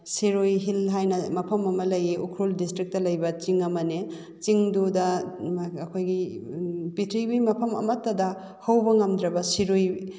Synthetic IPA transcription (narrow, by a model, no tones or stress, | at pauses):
siɾojɦilɦajnɐmɐpʰɐmɐmɐlɐjiʔukʰɾuldistɾik̚tɐlɐjbɐt͡ʃiŋɐmɐne | t͡ʃiŋdudɐ | ɐkʰojɡi | pitʰɾibimɐpʰɐmɐ̰mɐtːɐdɐ | hɐwbɐŋɐmdɾɐbɐsiɾoj